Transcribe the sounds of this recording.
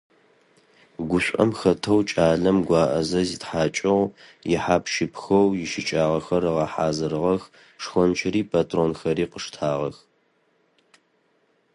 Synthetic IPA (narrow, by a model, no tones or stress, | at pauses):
ɡʷʊɕʷʼɐ̰mxɐtʰɐwt͡ʃʼaːɮɐmɡʷɑːʔɐ̰zɐzitħaːt͡ʃʼɪʁjɪħaːpʃɪpʰxɐwjɪʃɪt͡ʃʼaːʁɐxɐrɨʁɐħaːzɨɾɨʁɐx | ʂxʷɔnt͡ʃʰɪɾiːpʰatʰroːnxɐɾiːqəʂtʰaːʁɐx